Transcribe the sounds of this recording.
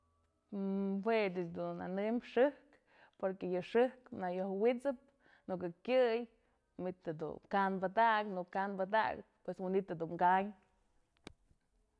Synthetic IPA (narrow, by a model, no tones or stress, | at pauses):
wedɨt͡ʃd̪una̰nɨmʂɨhk | poɾkejɨʂɨhknajohwit͡sɨp̚ | nuk̬ɨkʲɨj | mit̪ad̪ṵkanbat̪aknukanbad̪a̰k | pweswinit̪ːɨd̪uŋkaɲ